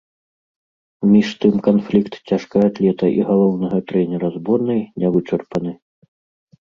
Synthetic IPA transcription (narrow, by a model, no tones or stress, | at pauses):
mʲiʂt̪ɨmkanflʲikt̪t͡sʲaʂkɐjat̪lʲɛt̪ɐʔiɣalˠɔwnɐɣɐt̪ɾɛnʲɛɾɐzbɔnɨjnʲɛvɨt͡ʂɐrpɐnɨ